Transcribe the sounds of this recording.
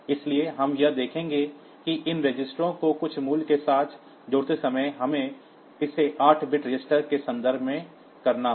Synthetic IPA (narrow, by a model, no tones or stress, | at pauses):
ɪslieɦɐmjɐd̪eːkʰẽːŋɡe | kiʔɪnɾed͡ʒɪsʈɾõkokʊt͡ʃʰmuːlkesaːt̪ʰ | d͡ʒʊːɽt̪esɐməjɦɐmẽ | ɪseʔaːʈʰbɪʈɾɪd͡ʒɪsʈəɾkesɐ̃nd̪əɾbʱmẽ | kɐɾnaɦ